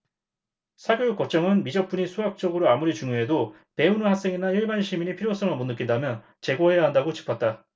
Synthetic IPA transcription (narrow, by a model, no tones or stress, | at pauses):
sʰaɡjojuk͈ʌt͡ɕ͈ʌŋɯnmid͡ʑʌp͈uɲisʰuak̚t͡ɕ͈ʌɡɯɾoamuɾit͡ɕuŋjoɦe̞do | pe̞unɯhak̚s͈e̞ŋinaiɭbanɕʰimiɲipʰiɾjos͈ʌŋɯɭmonːɯk͈indamjʌn | t͡ɕe̞ɡohe̞jaɦandaɡot͡ɕi̥pʰʌt̚t͈a